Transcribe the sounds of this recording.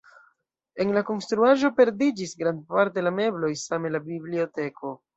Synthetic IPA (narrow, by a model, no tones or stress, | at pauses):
e̞nlako̞nstɾuaʒo̞pe̞ɾdid͡ʒisɡɾand̚paɾte̞lame̞blo̞jsamelabiblio̞te̞kʰo̞